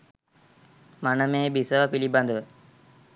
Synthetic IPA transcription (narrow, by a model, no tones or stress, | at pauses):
manəmẽbisəpilibə̃nd̪